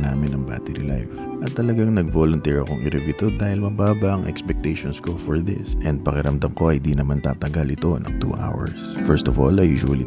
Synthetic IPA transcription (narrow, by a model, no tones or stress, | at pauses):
naːmɪnɐŋba̰ːt̪ɛɾḭla̰jf | ʔɐt̪ːɐlɐɡaŋnɐɡ̚voːlʊnt̪ɛɹɐkoŋɪɾɪbɪt̪od̪aːhɪlmɐbaːbɐʔɐŋʔɛ̰kspɛk̚t̪ɛjʃonsko̞fɔɹðɪ̰sʔɛnd̪̚pɐkɪɾɐmd̪ɐmko̞ɐhɪ̃nd̪inɐmant̪a̰ːt̪ɐɡalɪt̪o̞nɐ̰ŋt̪ṵːʔa̰wɐ̰ɹsfɛɹst̪ɔvo̰lɐjuːʒʊwɐlḭ